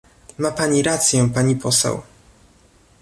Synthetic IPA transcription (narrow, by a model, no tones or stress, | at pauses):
mapaɲiɾat̪sʲjɛ̃paɲipɔsɛ̰w